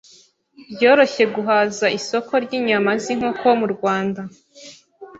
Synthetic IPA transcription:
bjoːɾo̞çe̞ɡuɦazaiso̞ko̞ɾɟiːɲamaziŋ̥hoko̞muɾɡwaːnda

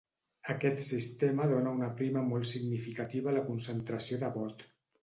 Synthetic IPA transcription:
əkɛt̪sist̪eməðonəunəpɾiməmɔlˠt̪siɡnifikat̪iβaləkunsənt̪ɾəsioðaβɔt̪

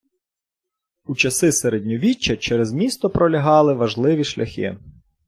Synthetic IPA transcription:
ut͡ʃɐsɪseɾedʲnʲɔʋʲit͡ʃːɐt͡ʃɛɾɛzmʲist̪ɔpɾɔlʲɐɦɑlˠɪʋɐʒlˠɪʋʲiʃlʲɐxʲɪ̰

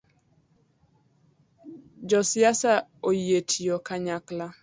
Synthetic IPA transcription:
d͡ʒɔsɪasaojetʰijɔkaɲakla

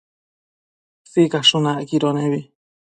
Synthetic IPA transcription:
θikaʂũnãʔkiɾonẽβi

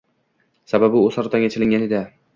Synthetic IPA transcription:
sababɪosaɾt̪ʰaŋʲat͡ʃʰɪlɪŋɡʲaned̪a

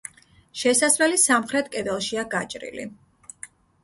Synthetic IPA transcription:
ʃɛsaslɛlisamχɾɛt̪̚ʰkʼɛd̪ɛlˠʃiaɡat͡ʃʼɾḭlḭ

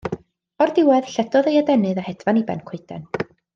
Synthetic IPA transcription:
ɔrdɪwɛð̥ɬɛdɔðejadɛnɨðahɛdvanibɛ̰nkʰwɪɨd̥ɛ̰n

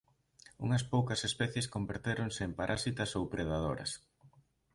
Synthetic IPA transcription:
ṵŋɐs̬powkɐsespɛθjeskombeɾt̪eɾoŋseːmpaɾʔasit̪ɐsowpɾeð̞að̞oɾɐ̰s

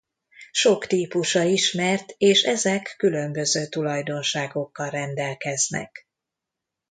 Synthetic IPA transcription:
ʃo̞kt̪iːpuʃɒiʃmɛrt̪eːʃɛzɛkːylømbø̞zøːt̪ulɒjd̪o̞nʃaːɡo̞kːɒlrɛnd̪ɛlkɛznɛ̰k

